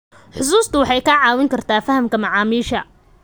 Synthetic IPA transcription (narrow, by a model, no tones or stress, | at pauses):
ħʊs̬uːst̪ʰʊwɑħɑjkʰɐʕɑːwɪŋkʰɐrt̪ʰaːfɐhɐmkʰɐmɑʕɑːmiːʃɐ̰